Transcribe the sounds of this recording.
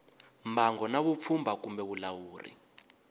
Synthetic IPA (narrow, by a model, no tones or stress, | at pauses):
mbʱaŋɡɔnaβup̪fʰumbʱakumbɛβulawuːrḭ